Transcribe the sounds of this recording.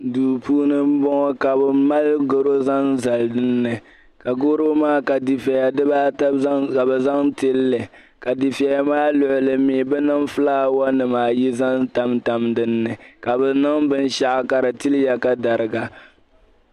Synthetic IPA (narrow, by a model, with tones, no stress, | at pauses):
duː˨puː˦nɨ˦m̩˦bɔ˦ŋɔ˦ka˨bɛ˨ma˦lɡo˨ɾo˦za˦n˦za˨ldɨ˦nːɨ˨ | ka˨ɡoː˦ɾo˦maː˦ka˨di˨fa˨ja˨dɨ˦baː˦ta˦ka˨bɛ˨za˦ŋte˦lːɨ˨ | ka˨di˨fa˨ja˨maː˦lʊ˨ʔʊ˨lɨ˨miː˨bɛ˦nɨ˦ŋfɨ˦laː˦wɔ˦nɨ˨maː˨ji˦za˦nta˦mta˦mdɨ˦nːɨ˨ka˨bɛ˨nɨ˦ŋbɨ˦n˦ʃa˦ʔka˨ɾɨ˨ti˦lja˦ka˦da˨ɾɨ˨ɡa˨